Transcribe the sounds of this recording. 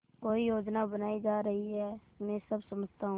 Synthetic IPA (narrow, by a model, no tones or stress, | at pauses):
koːijoːd͡ʒnabənaːid͡ʒaːɾɐɦiɦɛː | mɛ̃səbsɐməd͡ʒt̪aɦũː